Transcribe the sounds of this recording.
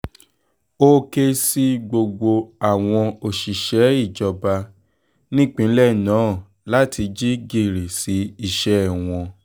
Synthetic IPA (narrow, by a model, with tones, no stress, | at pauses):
o˦ke˧si˧ɡ͡bo˧ɡ͡bo˧a˦˨w̃ɔ̃˧o˨ʃi˨ʃɛ˨˦i˦˨d͡ʒɔ˧ba˧ | nĩ˦k͡pĩ˨˦lɛ˦˨nãː˨˦˨ | la˦ti˧d͡ʒi˦ɡi˧˨ɾi˨si˨˦i˦˨ʃɛ˨˦˨w̃ɔ̃˧